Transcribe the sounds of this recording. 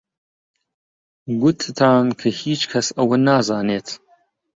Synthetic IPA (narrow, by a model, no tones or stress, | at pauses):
ɡʊt̪ʰt̪ʰaːnkʰɐhiːt͡ʃkʰɐsɐwɐnaːzaːneːt̪ʰ